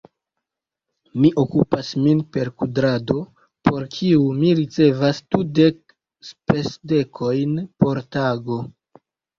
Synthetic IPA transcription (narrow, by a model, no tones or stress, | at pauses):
miʔo̞kupasminpe̞ɾkudɾado̞ | po̞ɾkʰiumiɾit͡se̞vastude̞k̚ | spe̞sde̞kʰo̞jnpo̞ɾtaɡo̞